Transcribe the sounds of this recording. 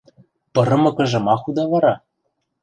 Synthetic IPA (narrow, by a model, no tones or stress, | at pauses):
pɤ̆ɾɤ̆mɤ̆kɤ̆ʒɤ̆mɑxud̪ɑvɑɾɑ